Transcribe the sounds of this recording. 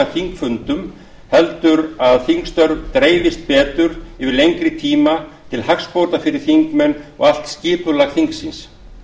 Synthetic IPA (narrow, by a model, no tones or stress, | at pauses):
aθiŋkfʏnt̪ʏm | hɛlt̪ʏɾaðθiŋkst̪œɾvt̪ɾeːjvɪst̪̚pɛːt̪ʏɾɪvɪlejŋkɾɪt̪ʰiːmat̪ʰɪlhakspowɾt̪afɪɾɪɾ̥θiŋkmɛnːɔ̰ɣal̥t̪scɪːpʏlaɣθiŋksins